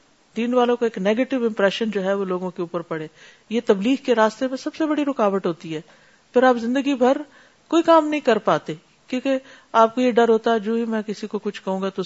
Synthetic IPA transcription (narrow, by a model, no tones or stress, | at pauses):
d̪iːnʋaːlõkaeːkneːɡeːʈɪʋɪ̃mpɾɛːʃənd͡ʒoːɦɛʋoloːɡõkeuːpəɾpɐɽeː | jet̪ɐbliːɦkeɾaːst̪emẽsɐbsebɐɽiɾʊkaːʋəʈɦoːt̪iɦɛː | pʰɪɾaːpzɪ̃nd̪əɡibʱɐɾ | koːikaːmnɐɦĩkɐɾpaːt̪e | kjõːke | aːp̚kojeɖɐɾɦoːt̪aɦɛd͡ʒoːɦimɛ̃ːkɪsikokʊt͡ʃʰkɐɦũːŋɡat̪o